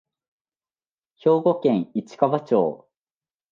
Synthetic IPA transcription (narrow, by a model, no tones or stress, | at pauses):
ço̞ːɡo̞kẽ̞ŋit͡ɕi̥kaβat͡ɕo̰ː